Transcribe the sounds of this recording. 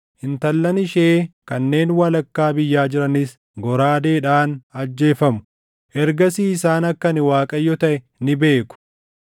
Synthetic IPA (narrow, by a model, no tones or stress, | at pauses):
ʔɪnt̪ɐlːɐnɪʃeːkɐnːe̞ːnwɐlɐkːaːbɪjːaːd͡ʒɪɾɐnɪs | ɡɔɾaːd̪e̞ːᶑaːnɐd͡ʒːe̞ːfɐmʊ̥ | ʔɛɾɡɐsiːɪsaːnɐkːɐnɪwaːkʼɐjːɔt̪ɐʔɛ | nɪbe̞ːkʊ̥